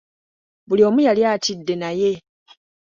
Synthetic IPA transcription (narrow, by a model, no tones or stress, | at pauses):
bulio̞ːmujaljaːtidːe̞naje̞